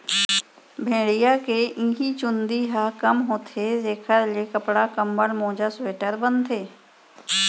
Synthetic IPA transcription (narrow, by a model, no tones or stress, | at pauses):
bʱẽːɽijakeʔĩːɦit͡ʃʊ̃nd̪iɦakəmɦoːt̪ʰezeːkʰəɾlekəpɽakəmbəɽmõːd͡ʒasweːʈəɾbə̃nt̪ʰeː